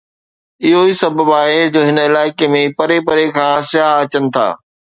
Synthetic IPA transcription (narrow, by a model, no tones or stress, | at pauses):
ɪɦoiːsɐbʱəbaːɦed͡ʑoːɦɪnɪlaːɪkemẽpɐɾepɐɾekʰãːsɪjaːɦɐt͡ɕənɪ̆t̪ʰa̰ː